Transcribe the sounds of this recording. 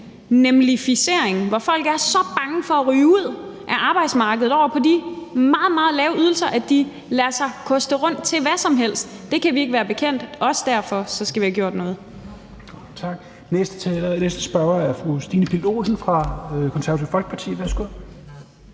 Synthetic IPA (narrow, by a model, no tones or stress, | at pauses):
nemlifise̝̰ɐ̰eŋʋɒfɒ̽l̰ɡ̥æɐsɒ̽b̥ɑ̈ŋəfɒ̽æʁyːuð̞̰ˠʔæʔɑ̈ːb̥ɑ̈ɪd̥smɑ̈ːɡ̥əð̩ˠɒ̰ʊɐpʰɒ̽dimɑ̈ːð̩ˠmɑ̈ːð̩ˠlɛːʊyð̞ˠl̩sɐʔæd̥i | læɐsɑ̈ɪkʰɒ̽sd̥əʁɔ̽n̰d̥̚t͡sʰe̝lʋæsɒ̽mɦel̰sd̥ːe̝kʰæʋie̝ɡ̥ʋæːɐb̥e̝kʰen̰d̥ɒ̽səd̥æɐ̰fɒ̽sɒ̽sɡ̥æʋihæɡ̥jo̝ɐd̥nɔ̽ːð̞̩ˠ | t͡sʰɑ̈ɡ̥ | nesd̥ə̥t͡sʰɛlnesd̥əsb̥ɶɐɐæɐfʁusd̥ḭːnəpʰildo̝̰sn̩fʁɑ̈kʰɒnsæɐɐt͡sʰiʊfɒlɡ̥ə̥pʰɑ̈t͡sʰḭːʋæsɡ̥o